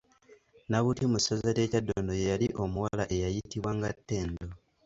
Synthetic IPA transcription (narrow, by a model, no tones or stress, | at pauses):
naβutimusazateːcadːoːndojejaliʔo̞muwalaʔe̞jajitiβwaŋɡatːe̞ːndo